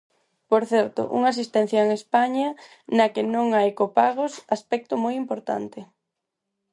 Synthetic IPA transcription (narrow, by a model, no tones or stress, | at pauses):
poɾθɛɾt̪ʊ̰ʔṵŋas̬ist̪ɛn̟θjɐeŋespaɲɐ | nɐkɪnõŋaekopaɣosaspɛk̚t̪ʊmojimpoɾt̪a̰nt̪ɪ